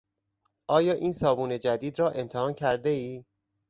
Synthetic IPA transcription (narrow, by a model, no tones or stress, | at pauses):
ʔɒːjɒːʔiːnsɒːbuːne̞d͡ʒæd̪iːd̪rɒːʔe̞mt̪ʰehɒːncʰæɾd̪eiː